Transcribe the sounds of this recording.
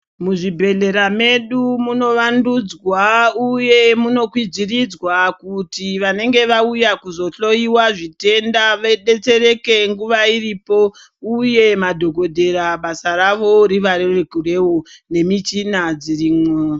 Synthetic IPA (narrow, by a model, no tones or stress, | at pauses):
muʐibʱe̞ɮe̞ɾame̞ɗumuno̞ʋandud͡zwauje̞muno̞kwid͡zirid͡zwakutiʋane̞ŋɡe̞ʋaujakuzo̞ɬo̞iwaʐite̞ndaʋeɗe̞t͡se̞ɾe̞ke̞ŋɡuʋairipo̞ | uje̞madʱoɡʱo̞dʱe̞ɾaɓasaraʋo̞ɾiʋaɾerekure̞wone̞mit͡ʃinad͡ziriːmwe